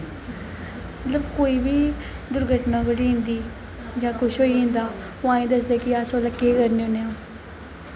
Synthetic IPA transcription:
mət̪ləbkoːiːbiː | d̪ʊɾɡʱəʈnãːkəɽiːɦɪ̃nd̪iː | d͡ʒãːkʊʃɦoːiːɦɪ̃ːnd̪aː | oːãːĩːd̪əsd̪eːkɪaːsoːləkːeːkəɾneːʊnːeːãː

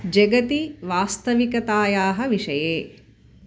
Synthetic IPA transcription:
d͡ʒɐɡɐt̪iʋaːst̪ɐʋikɐt̪aːjaːɦɐʋiʂɐjeː

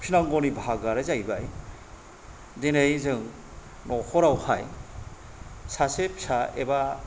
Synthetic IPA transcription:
kʰinaŋɡɔnibʱaɡaɾezajbaj | denejzɯŋ | nɔxɔɾawhaj | sasep̚saḛba

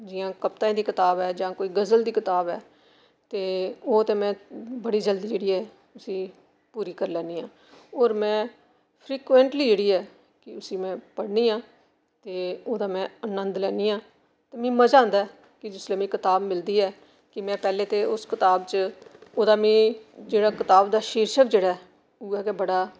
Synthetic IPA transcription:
d͡ʒɪjãːkəp̚t̪ãːd̪iːkɪt̪aːbɛːd͡ʒãːkoːiːɡəzəld̪iːkɪt̪aːbɛː | t̪eːoːt̪eːmɛ̃ːbəɽiːd͡ʒəld̪iːd͡ʒeːɽiːɛː | ʊsĩː | puːɾiːkəɾlɛːniːɦãː | oːɾmɛ̃ː | pʰɾiːkʋɛ̃ːɳʈliːd͡ʒeːɽiːɛː | kɪʊsiːmɛ̃ːpəɽniːãː | t̪eːoːd̪aːmɛ̃ːənə̃nd̪lɛːniːãː | t̪eːmĩːməd͡ʒãːnd̪aːɛ | kɪd͡ʒɪsleːmĩːkɪt̪aːbmɪld̪iːɛː | kɪmɛ̃ːpɛːleːt̪eːʊskɪt̪aːbt͡ʃoːd̪aːmĩːd͡ʒeːɽaːkɪt̪aːbd̪aːʃiːɾʃəkd͡ʒeːɽaː | uːɛːkebəɽaː

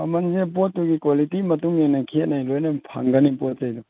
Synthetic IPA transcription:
ɐmɐnsep̬ot̚ːuɡikwalitimɐtuŋinɐkʰet̚najlojnɐpʰa̰ŋɡɐnipot̚zɐjdu

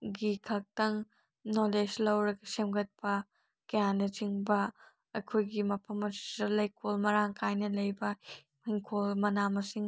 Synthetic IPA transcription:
ɡikʰɐk̚tɐŋ | noled͡ʒlɐwɾɐɡɐsemɡɐt̚pɐ | kɐjanɐt͡ʃiŋbɐː | jkʰojɡimɐpʰɐmɐsi̥sɐlɐjkʰolmɐɾaŋkʰajnɐlɐjbɐ | hiŋkʰolmɐnamɐsiŋ

